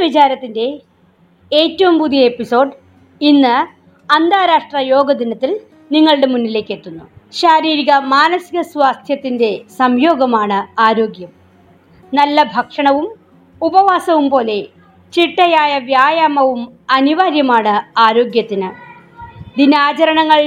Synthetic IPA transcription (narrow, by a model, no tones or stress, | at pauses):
ʋit͡ɕaːɾɐt̪ːinde̞ | eːtːɐʋumpud̪ʱijɐepːiso̞ːɖ | inːɨ | ɐnd̪ʱaːɾaːʂʈrɐjo̞ːɡɐd̪inɐt̪ːil | niŋːɐɭɽe̞munːile̞ːkːe̞t̪ːunːuɕaːɾiːɾiɣɐmaːnɐsiɣɐsʋaːst̪ʰjɐt̪ːinde̞sɐmjo̞ːɡɐmaːɳɨaːɾo̞ːɡjɐm | nɐlːɐbʱɐkʂɐɳɐʋum | ubɐʋaːsɐʋumpo̞ːle̞ | t͡ɕiʈːɐjaːjɐʋjaːjaːmɐʋumɐniʋaːɾjɐmaːɳɨaːɾo̞ːɡjɐt̪ːinɨ | d̪inaːt͡ɕɐɾɐɳɐŋːɐɭ